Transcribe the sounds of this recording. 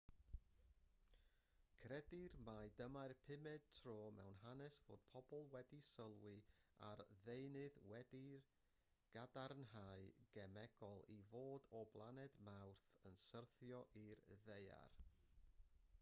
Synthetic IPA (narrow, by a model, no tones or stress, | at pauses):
kʰrɛdirmajdəmarpʰɪmɛd̥̚tʰroːmɛ̰wnɦanɛsv̥o̰ːd̥̚pʰɔbɔlˠwɛdisəlˠwɪa̰rðejnɨðwɛdir | ɡ̥adarnɦaɨɡ̥ɛmɛɡ̥ɔlˠivoːdɔblˠanɛdmawrθənsərθjɔʔirðeja̰r